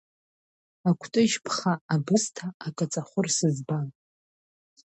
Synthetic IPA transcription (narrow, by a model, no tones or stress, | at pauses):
akʷʰtʼɨʃpʰχaabɨstʰaːkʼat͡sʼaχʷʊrsɨzban